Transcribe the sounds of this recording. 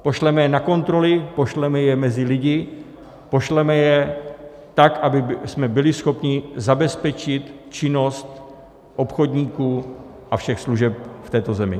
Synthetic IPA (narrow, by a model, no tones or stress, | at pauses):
po̞ʃlɛmɛjɛnako̞nt̪ɾo̞lɪpo̞ʃlɛmɛjɛmɛzɪlɪɟɪ | po̞ʃlɛmɛjɛ | t̪akʔabɪsmɛbɪlɪsxo̞pɲɪzabɛspɛt͡ʃɪt̪ | t͡ʃɪno̞st̪ | ʔo̞pxodɲiːkuː | ʔafʃɛxsluʒɛp̚ft̪ɛːt̪o̞zɛmɪ̰